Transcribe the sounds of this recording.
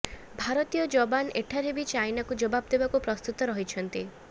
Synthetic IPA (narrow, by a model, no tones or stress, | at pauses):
bʱaɾɔt̪ijɔd͡ʒɔbaneʈʰaɾɦebit͡ʃajnakud͡ʒɔbabd̪ebakupɾɔst̪ut̪ɔɾɔɦit͡ʃʰɔnt̪i